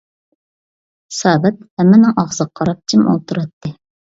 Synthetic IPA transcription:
hsɑːbɛt̪̚hɛmːɪnɪŋɑʁzəqʰːɑɾɑp̚t͡ʃʰimo̰lˠt̪ʰuɾɑt̪ːɨ

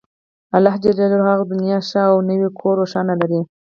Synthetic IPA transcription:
alɑɦd͡ʒaɾaləɾɣɑɣd̪ʊnjɑʃaːwnəwekʰoɾoʃɑnalaɾi

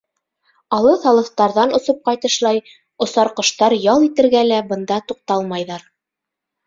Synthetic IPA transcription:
ɑlˠɤθɑlˠɤ̆θt̪ɑɾðɑnŏsɤp̚qɑjt̪ɤ̆ʃlˠɑj | ŏsɑɾqŏʃt̪ɑɾjɑlˠit̪ɘ̆ɾɡælæbɤ̆nd̪ɑt̪uq̚t̪ɑlˠmɑjðɑɾ

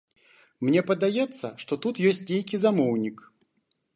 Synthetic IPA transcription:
mnʲɛpɐd̪ajɛt̪sːɐ̰ʂt̪ɔt̪ut̪jɔsʲtʲnʲejkʲizamɔwnʲik

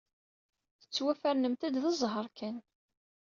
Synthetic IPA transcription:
θə̥t͡sːwæfæɾnəmt̪æd̪ðəzˤɦəɾˤkʰæn

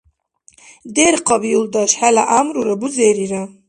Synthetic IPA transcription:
d̪eɾqʰɑbiuld̪aʃħalaʔamɾuɾabuzeːɾiɾa

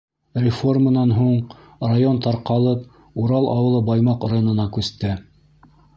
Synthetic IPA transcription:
rʲɪfo̞rmənɑnɦuɴ | rajont̪ɑɾqɑlˠɤp | uɾɑlˠʔɑ̰wɤ̆lˠɤbɑjmɑqrajonɤ̆nɑkʉst̪ɘ

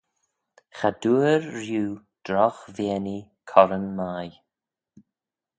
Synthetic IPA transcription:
xad̪uːɹːjuː | d̪̥ɾɔxveːni | kʰɔɾənmaj

